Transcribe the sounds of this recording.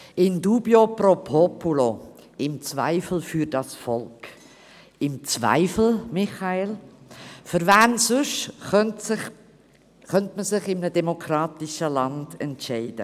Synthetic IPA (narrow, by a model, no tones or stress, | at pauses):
ɪnduːbjopropʰɔpulo | ɪmt͡sva̰ɪfl̩fyːɾdɑsfɔlk | ɪmt͡svæ̰ɪfl̩mɪχɑel | fʏɾvæːnsʊʃntɪ | χœntməsɪχɪmənədɛmokʰɾɑːt̪iʃəlɑnd̥ɛ̰ntʃɛɪd̥ə̰